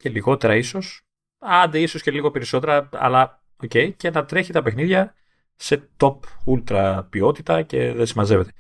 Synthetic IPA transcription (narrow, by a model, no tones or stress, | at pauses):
ce̞liɣo̞t̪e̞ɾɐiso̞s | ɐnd̪eiso̞sce̞liɣo̞pe̞ɾiso̞t̪e̞ɾɐɐ̰lɐ | o̞ce̞ice̞nɐt̪ɾe̞çit̪ɐpe̞xniðʝɐ | se̞t̪o̞pult̪ɾɐpio̞t̪it̪ɐce̞ðesimɐze̞ve̞t̪e̞